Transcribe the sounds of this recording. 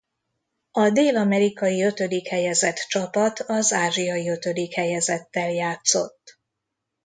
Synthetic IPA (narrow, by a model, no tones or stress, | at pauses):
ɒd̪eːlɒmɛɾikɒjiø̞t̪ø̞d̪ikhɛjɛzɛt̪t͡ʃɒpɒt̪ʰɒzaːʒijɒjiø̞t̪ø̞d̪ikhɛjɛzɛt̪ːɛljaːt̪so̞t̪ː